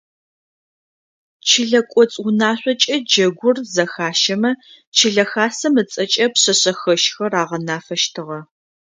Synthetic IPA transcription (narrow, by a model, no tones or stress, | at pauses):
t͡ʃʰɪɮɐkʷʼɔt͡sʼʊnaːɕʷʼɔt͡ʃʼɐd͡ʒɐɡʷʊrzɐxaːʃɐmɐ | t͡ʃʰɪɮɐxaːsɐmɨt͡sʼɐt͡ʃʼɐpɕɐɕɐxɐʃxɐraːʁɐnaːfɐʃtʰɨʁɐ